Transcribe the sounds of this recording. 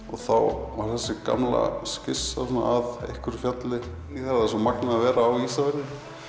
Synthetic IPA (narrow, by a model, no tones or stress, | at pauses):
ɔɣθawvaɾ̥θɛsːɪka̰mla̰scɪsːasɔnːa̰aðḛhkʏɾfjat̪lɪ | niθɛɾaðasɔmaknaːvɛːɾaːwist̪avɛnːɪ